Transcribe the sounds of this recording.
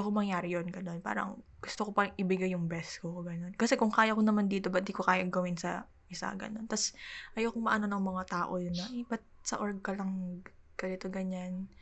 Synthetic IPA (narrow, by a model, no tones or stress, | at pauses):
ɐkomɐŋjaːɾɪjonɡɐno̞npa̰ːɾɐ̰ŋɡ̥ʊst̪okopɐʔɪbɪɡajːʊŋbɛskoɡɐno̞nkɐsɛkʊŋkaːjɐkonɐmand̪iːt̪o̞bɐd̪ikokaːjɐɡɐwɪnsɐ̰ | ʔɪsa̰ɡɐ̰no̞nt̪ɐsʔɐjowkʊŋmɐʔɐno̞nɐŋmɐŋat̪aːʔo̞jʊnːɐʔibɐt̪̚sɐ̰ʔoɹɡ̚kɐlɐŋ | kɐnɪt̪oɡɐɲan